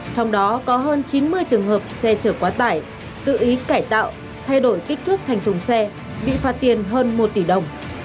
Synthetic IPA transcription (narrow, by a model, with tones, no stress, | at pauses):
t͡ɕɔ˧wŋ͡mɗɔ˨˦kɔ˨˦ɦəː˧nt͡ɕi˨˦nmɨ˧əjt͡ɕɨ˨˩əŋɦəː˨˩p̚sɛ˧t͡ɕəː˧˩kwaː˨˦t̪aː˧˩j | t̪ɨ̰˧˨ʔi˨˦kaː˧˩jt̪a̰ː˧˨w | t̪ʰa˧jɗo˧˩jkï˦˥k̟̚t̪ʰɨ˦˥k̚t̪ʰa˨˩jŋt̪ʊ˨˩ŋ͡msɛ˧ | ɓḭ˧˨faː˨˦˥t̚t̪i˨˩ənɦəː˧nmo˨˩t̚t̪i˧˩ɗə˨˩wŋ͡m